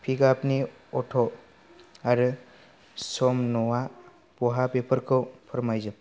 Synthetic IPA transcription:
pʰiɡapni | ɔtʰɔ | aɾɯ | sɔmnɔwa | pɔɦapepʰəɾkʰɯwpʰɯɾmajzɯp̚

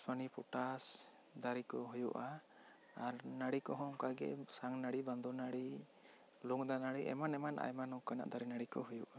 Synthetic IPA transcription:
spʰanipʰuʈas | d̪aɾikɔɦujuʔaː | ɾnaɽikɔɦɔŋkaɡɛ̰ʔsaŋnaɽiband̪ɔnaɽi | luŋd̪anaɽiʔɛ̰manɛmanʔa̰jmanɔkana̰ʔd̪aɾinaɽikɔ̰ɦujuʔa

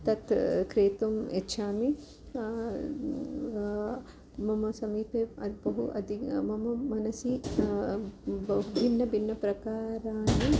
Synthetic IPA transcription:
t̪ɐt̪kɾeːt̪umetːʃʰaːmi | mɐmɐsɐmiːpeːɐd̪bɐɦuʔɐ̰d̪ʱimɐmɐmɐnɐsi | bɐɦubʱinːɐbinːɐpɾɐkaːɾaːni

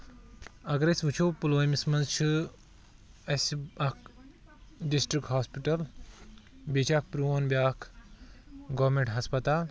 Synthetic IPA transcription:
ɐɡɾesʋut͡ʃʰopuloːjmismɐnzt͡ʃʰɨ | ɐsɐk | ɖisʈɾikʈɦaːspiʈɐl | bʲit͡ʃʰak̚pɾuonbʲjaːkʰ | ɡoʋmẽɳʈɦɐspɐt̪aːl

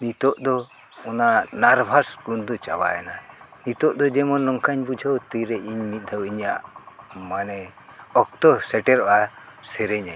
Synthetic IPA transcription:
nit̪ɔʔd̪ɔ | ɔnanaɾbʱasɡund̪ɔt͡ʃa̰ba̰ɛna | nit̪ɔʔd̪ɔd͡ʒɛmɔnɔŋkaɲbud͡ʒʱawt̪iɾɛiɲmit̪̚ˀd̪ʱawiɲaʔmanɛɔk̚t̪ɔsɛʈɛɾɔʔasɛɾɛɲa

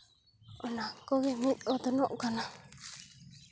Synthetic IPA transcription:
onãkoɣemĩʔot̪onõʔkanã

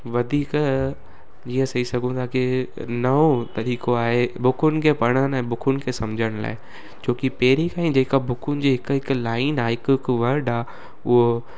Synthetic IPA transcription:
ʋɐd̪ʱiːk | d͡ʑiːə̃sɐisɐɡʱũt̪ʰaːkinɐot̪ɐɾiːkoaːɦebʊkʰʊnɪ̆kʰepɐɽ̃ənɛ̃ːbʊkʰʊnɪ̆kʰesɐmd͡ʑʱəɽ̃la̰ːɪ | t͡ɕʰoːkipɐɦɾikʰãːĩd͡ʑeːkabʱʊkʰʊnɪ̆d͡ʑeːɦɪkɦɪklaːɪnaːɪkʊkʋɐɾɖaː | ʊɦo

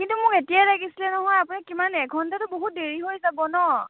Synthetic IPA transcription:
kintumʊketijalaɡisilɛnɔɦɔjapunikimanɛkɡʱɔntatʊboɦut̚deɹiɦojzabɔnɔ

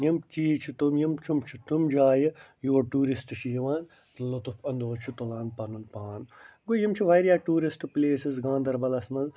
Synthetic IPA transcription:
jɐmt͡ʃiːt͡ʃʰit̪omjɐmt͡ʃʰumt͡ʃʰut̪umd͡ʒaːjɐjuʋɐʈuːɾisʈʃiːʋaːn | t̪lot̪ufɐnd̪oːt͡ʃʰut̪olaːnpɐnunpaːnɡojimt͡ʃʰiʋɐːɾjaːʈuːɾisʈpleːsizɡãːnd̪ɐɾbɐlɐsmɐz

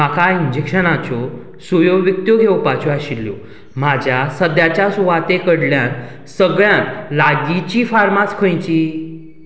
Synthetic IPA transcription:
akʰaiɲd͡ʑekɕənat͡ɕɔ | sujoʋikt̪joɡʱewpat͡ɕoaɕilːjo | m̤ad͡ʑʱjasəd̪jat͡ɕjasuʋat̪ekəɽljãn | səɡɭjãnlaɡit͡ɕiːfaɾmat͡skʰə̃jt͡ɕiː

